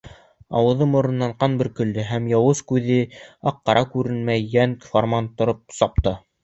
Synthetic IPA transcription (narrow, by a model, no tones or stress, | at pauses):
ɑ̰wɤ̆ðɤmŏɾɤ̆nːɑɴqɑnbɘɾkɵ̆ld̪ɘɦæmjɑwɤskʉðɘɑqːɑɾʔɑkʉɾɘnmæjːænformɑnt̪ŏɾɤp̚sɑp̚t̪ɤ